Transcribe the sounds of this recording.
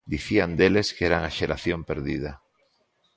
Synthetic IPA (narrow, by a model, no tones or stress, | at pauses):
d̪iθiand̪eleskeɾaŋaʃeɾaθjompeɾðið̞a